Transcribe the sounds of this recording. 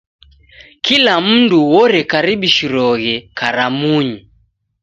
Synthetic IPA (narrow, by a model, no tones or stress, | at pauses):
kilam̩nduwɔɾɛkaɾiɓiʃiɾɔɣɛkaɾamuɲi